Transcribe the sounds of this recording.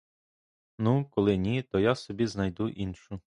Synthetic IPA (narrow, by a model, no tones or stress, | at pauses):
nukɔlˠɪnʲit̪ɔjasɔbʲiznɐjd̪uʔinʃʊ